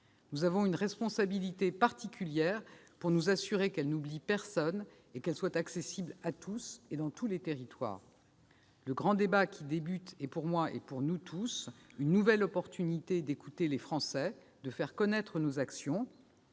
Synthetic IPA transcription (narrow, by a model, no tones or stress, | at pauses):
nuzavɔ̃ynʁɛspɔ̃sabilit̪epaʁt̪ikʲʰyljɛʁpuʁnuzasyʁekɛlnublipɛʁsɔn | ekɛlswat̪aksesiblat̪ʰused̪ɑ̃t̪ʰulet̪eʁit̪wa̰ːʁ | ləɡʁɑ̃d̪ebakʲʰid̪ebyt̪epuʁmwaʔɛ̰puʁnut̪ʰusynːuvɛlɔpɔʁt̪ynit̪ed̪ekut̪elefχɑ̃sɛ | d̪əfɛʁkɔnɛt̪χənozaksjɔ̃